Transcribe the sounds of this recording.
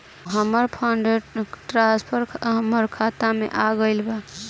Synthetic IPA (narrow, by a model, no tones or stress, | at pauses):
ɦəməɾpʰaɳɖeʈɾãspʰəɾʰɦəməɾkʰat̪amḛʔaɡəɪlba